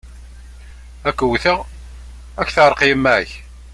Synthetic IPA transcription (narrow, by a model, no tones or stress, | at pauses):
ækːəwθəʁ | ækːθəɾˤqiəmːæç